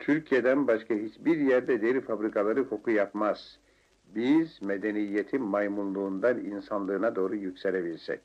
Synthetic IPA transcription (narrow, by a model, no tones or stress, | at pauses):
t̪ʰyɾcʰijed̪ænbaʃkʰaɦit͡ʃbiɾjæɾd̪ɛd̪eilifabɾikʰalˠaɾɯkʰo̞kʰujapmaz̥ | bizmed̪enijːet̪ʰinmajmulˠlˠuːnd̪aninsanlˠɯːnad̪o̞ːɾujycʲseɾebilʲsɛ̰c